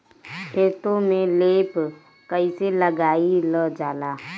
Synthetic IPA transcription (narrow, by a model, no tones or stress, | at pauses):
hʰeːt̪õmẽleːp | kəiseləɡaːiləd͡ʒaːlaː